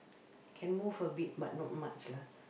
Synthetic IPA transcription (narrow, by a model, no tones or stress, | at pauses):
kʰɛ̃nmufəbit̚ba̰t̚nɔ̃t̚mat͡ʃla